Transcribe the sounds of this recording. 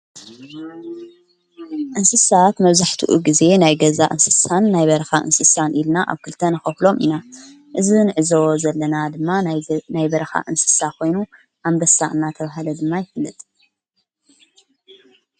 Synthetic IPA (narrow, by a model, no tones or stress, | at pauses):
ʔɨnsɨsat̪mɐβzaħt̪ʰuʔuɡize̞najɡɐzaʔɨ̰nsɨ̥sanːajβɐɾɐxaʔɨ̰nsɨsanʔilnaʔa̰βkʰɨlt̪ʰɐnɨxɐflo̞mʔḭna | ʔɨzinɨʕɨzo̞zɐlːɐnad̪ɨmːanajbɐɾɐxa̰ʔɨnsɨ̥sakʰo̞jnu | ʔamd̪ɐsaʔɨnat̪ʰɐβaɦalɐd̪ɨmːajɪfɨlːɨt̪ʼ